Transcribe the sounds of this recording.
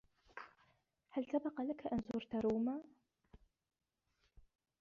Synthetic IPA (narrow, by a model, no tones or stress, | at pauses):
ħəltʰɐbɐqɐlɐkʰɐʔɐnzuːrtʰɐɾuwmɐ